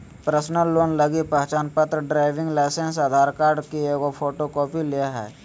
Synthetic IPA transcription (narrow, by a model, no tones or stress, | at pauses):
pɾəsnəlːoːnləɡipəɦt͡ʃaːnpət̪ɾəɖɾaːɪʋɪ̃ŋɡlaːsensad̪ʱaːɾkaːɾɖkieːɡopʰoːʈokɔːpiliaɦɛ̰ː